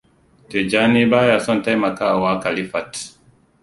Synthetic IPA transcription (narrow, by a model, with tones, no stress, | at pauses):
te˨d͡ʒa˦ni˦ba˦ja˨sɔ˦nta˦jma˨ka˦˨wa˦ka˨li˦fa˨t